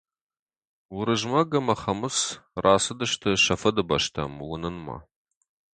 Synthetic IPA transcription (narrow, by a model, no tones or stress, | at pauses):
wʊɾɨʒmɐɡɐmɐχɐmɨsraːsɨdɨʃtʰɨʃɐfɐdɨbɐʃtʰɐmwʊnɨnma̰